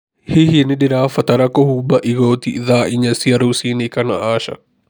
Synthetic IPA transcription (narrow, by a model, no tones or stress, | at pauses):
hiɦiniɖiɾaːfɐt̪ɐɾɐkoɦuːbɐʔiɡoːt̪ḭðaːʔiɲɐsiɐɾusiːnekɐnɐ̰aːʃɐ̰